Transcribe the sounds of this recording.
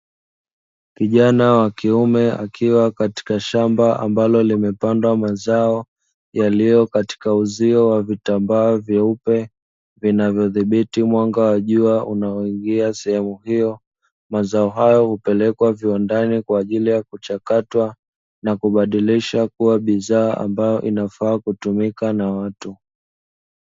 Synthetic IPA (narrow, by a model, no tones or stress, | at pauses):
kiʄanawakiumɛa̰kʰiwakati̥kaʃambaʔa̰mbalɔlimɛpandwamazaɔ | jalijɔkati̥kauziɔwavitambaɔvjaupɛ | vinavjɔðiɓitimwaŋɡawaʄuaʔunaɔiŋɡiasɛhɛmuhijɔ | mazaɔɦajɔhupɛlɛkwaviandanikwaːʄilijakut͡ʃakatwa | nakuɓaɗiliʃakuwaɓizaːa̰mbajɔʔinafaːkutumikanawatu